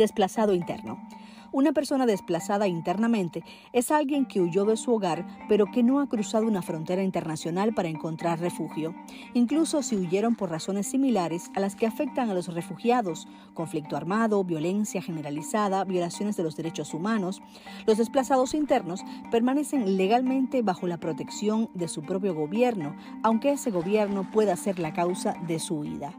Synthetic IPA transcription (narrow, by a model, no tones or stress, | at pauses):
desplasaðoint̪e̞̰ɾno̰ | unape̞ɾso̞naðe̞splasaðaint̪e̞ɾnamẽnt̪e̞ | esalɣje̞ŋke̞uʝo̞ðe̞suo̞ɣaɾpe̞ɾo̞ke̞no̞akɾusaðo̞unafɾo̞nt̪e̞ɾaint̪e̞ɾnasjo̞nalpaɾae̞ŋko̞nt̪ɾarre̞fuxjo̞ | iŋkluso̞siuʝe̞ɾo̞mpo̞ɾraso̞nesːimilaɾe̞salaske̞afe̞k̚t̪aŋalo̞sre̞fuxjaðo̞s | ko̞ɱflik̚t̪oaɾmaðo̞βjo̞le̞nsjaxe̞ne̞ɾalisaðaβjo̞lasjo̞nezðe̞lozðe̞ɾe̞t͡ʃo̞sumano̞s | lo̞zðe̞splasaðo̞sint̪e̞ɾno̞spe̞ɾmane̞se̞ŋle̞ɣalmẽnt̪e̞βaxo̞lapɾot̪e̞ksjo̞nd̪e̞supɾo̞p̬jo̞ɣo̞βje̞ɾno̞ | awŋkeese̞ɣo̞βje̞ɾno̞pwe̞ðase̞ɾlakawsaðe̞suḭða